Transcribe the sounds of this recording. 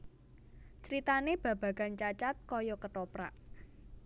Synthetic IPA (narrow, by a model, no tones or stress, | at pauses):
t͡ʃəɾit̪aneb̥ä̤b̥ä̤ɡ̥a̤nt͡ʃat͡ʃat̪̚kɔjɔkəʈɔpɾa̰ʔ